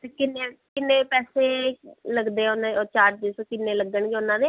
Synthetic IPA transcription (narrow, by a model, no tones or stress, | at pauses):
t̪eːkɪnːeːkɪnːeːpɛːseːləɡd̪eːʊnãoːt͡ʃaːʈ̚d͡ʒ̪eːsõːkɪnːeːləɡːəɳɡeːʊnãːd̪eː